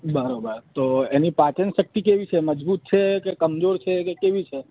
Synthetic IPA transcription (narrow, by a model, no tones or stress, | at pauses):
bəɾobəɾt̪oenipat͡ʃənʃək̚t̪ikeʋit͡ʃʰeməd͡ʒbut̪̚t͡ʃʰekekəmzoɾt͡ʃʰekekeʋit͡ʃʰe